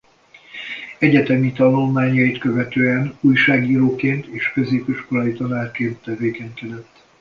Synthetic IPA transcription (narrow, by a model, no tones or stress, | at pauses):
ɛɟɛt̪ɛmit̪ɒnulmaːɲɒjit̪kø̞vɛt̪øːɛnuːjʃaːɡiːɾoːkeːnt̪eːʃkø̞zeːpiʃko̞lɒjit̪ɒnaːrt͡ʃeːnt̪ːɛveːkɛɲkɛd̪ɛt̪ː